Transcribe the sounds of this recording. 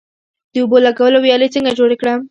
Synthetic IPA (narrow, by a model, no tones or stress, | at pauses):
d̪̥əubolaɡawəlowjɑlet͡səŋɡad͡ʒoɽekɽəm